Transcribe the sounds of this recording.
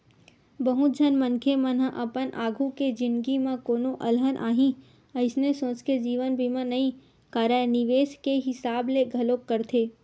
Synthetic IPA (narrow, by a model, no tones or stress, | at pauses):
bəɦʊt̪̚d͡ʒʱənmə̃nkʰemə̃nɦəʔɐpənʔaːɡʱuked͡ʒɪ̃nd̪ɡimãkoːnõʔɐlɦənʔa̰ːɦĩ | ɐɪsnesõːt͡ʃked͡ʒiːʋənbʱimãnɐɦĩ | kaːɾanɪʋeːskeɦɪsaːbleɡʱɐlokːəɾt̪ʰeː